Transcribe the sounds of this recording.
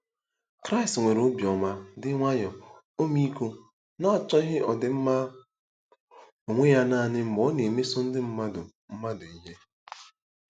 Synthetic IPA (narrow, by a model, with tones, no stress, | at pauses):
kɾa˦i˨stŋʷe˨ɾo˨˦bjɔ˨ma˨dɪ˦ŋʷa˦jɔ˨ | o˦mi˦ko˦ | nɔ˦˨t͡ʃɔ˦ɦɪ˦ʔɔ˨dɪ˨m̩˦ma˦ | o˨ŋʷe˦ja˦naː˦˨nɪ˦m̩˨ɡ͡bɔ˨˦ne˨me˦sʊ˦n̩˦dɪ˦m̩˦ma˦dʊ̰˨ | m̩˦ma˦dʊ˨i˦ɦe˦